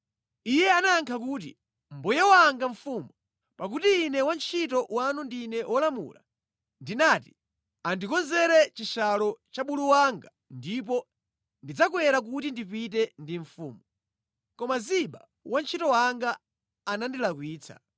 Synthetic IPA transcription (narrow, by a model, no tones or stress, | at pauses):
ijɛanaːŋkʰak̬ut̬ḭ | m̩bujɛwaːŋɡaɱfumu | pak̬utiːnɛwant͡ʃʰitɔwanundinɛwʔɔlamṵla̰ | ndinaːti̥ | andikɔnzɛɾɛt͡ʃiʃalɔt͡ʃaɓuluwaŋɡa | ndip̬ɔ | ndid͡zak̬wɛɾak̬utindipit̬ɛndiɱfuːmu | kɔmaziɓa | want͡ʃʰitɔwaŋɡaː | nandilakwiːt͡sʰa̰